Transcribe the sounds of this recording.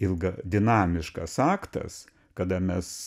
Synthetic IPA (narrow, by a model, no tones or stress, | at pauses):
ɪlˠɡɐd̪ʲɪnɑːmʲɪʃkɐsɑːkt̪ɐ̰s | kɐd̪ɐmʲɛs